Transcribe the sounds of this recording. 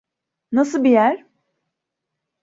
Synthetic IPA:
nasɯlˠbijæɾ̥

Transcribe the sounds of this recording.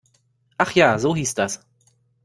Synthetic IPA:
ʔaχjaːzoːɦiːsd̥as

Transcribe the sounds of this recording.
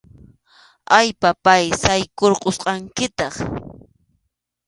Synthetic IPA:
ajpapajsajkoɾqosqɑŋkɪt̪ɑχ

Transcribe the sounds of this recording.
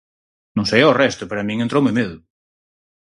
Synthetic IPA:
nõŋsejaorɛst̪ʊpeɾamĩŋent̪ɾowmemeðʊ

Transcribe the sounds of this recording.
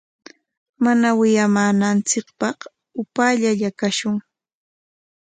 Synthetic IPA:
manawɪjamaːnant͡sɪkpɑχ | ʊpaːʎaʎakaʃʊŋ

